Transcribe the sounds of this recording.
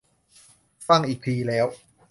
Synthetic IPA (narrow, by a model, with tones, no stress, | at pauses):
a˥˩ŋʔiː˨˩k̚pʰiː˧lɛː˦˥w